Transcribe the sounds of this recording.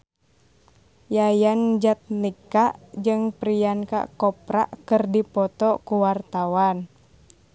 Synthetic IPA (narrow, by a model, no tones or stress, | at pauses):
jajand͡ʒat̪̚nikaʔd͡ʒɨŋpɾijanka̰kɔpɾa̰ʔkɨrdipɔt̪ɔkuwart̪awan